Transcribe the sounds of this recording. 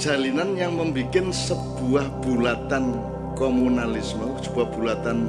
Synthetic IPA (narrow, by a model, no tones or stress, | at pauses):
d̥ʒ̥a̤linanjaŋməmbikɪnsəb̥uahb̥ulat̪an | komunalɪsməsəb̥uahb̥ulat̪an